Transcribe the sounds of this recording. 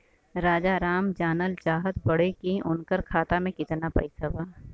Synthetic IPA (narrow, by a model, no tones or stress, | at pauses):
ɾaːd͡ʒaɾaːmd͡ʒaːnəlt͡ʃaːɦət̪bɐɽekiʔʊnkəɾkʰaːt̪amẽkɪt̪napɐ̰isɐbaː